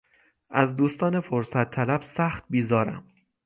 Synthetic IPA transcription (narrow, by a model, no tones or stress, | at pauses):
ʔæzd̪uːst̪ɒːnefoɾsæt̪ʰːælæb̥sæːxt̪̚biːzɒːɾæ̰m